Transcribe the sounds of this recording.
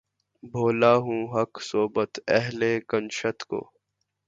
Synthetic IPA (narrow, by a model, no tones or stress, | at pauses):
bʱoːlaːɦũːɦɐksoːbət̪ɛɦlekənʃət̪ko̰ː